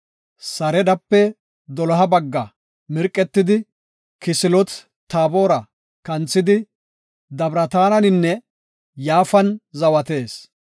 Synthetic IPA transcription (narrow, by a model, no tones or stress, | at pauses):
sɐɾɛd̪ɐpːɛ | d̪ɔlɔɦɐbɐɡːɐ | mɪɾkʼːɛt̪ːɪd̪ɪ | kɪsɪlɔt͡s | t̪ːaːbo̞ːɾɐ | kɐnt͡sːɪd̪ɪ | d̪ɐbɾɐt̪aːnɐnɪnːɛ | jaːfɐnzɐwɐt̪e̞ːs